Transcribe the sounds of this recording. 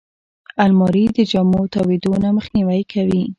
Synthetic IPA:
almɑɾid̪əd͡ʒamot̪ɑwid̪onaməxniwajkʰawi

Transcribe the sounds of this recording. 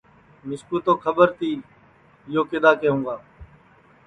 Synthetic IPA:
mɪskuːt̪oːkʰəbəɾt̪iː | ɪjoːkɪd̪aːkeːɦũːɡaː

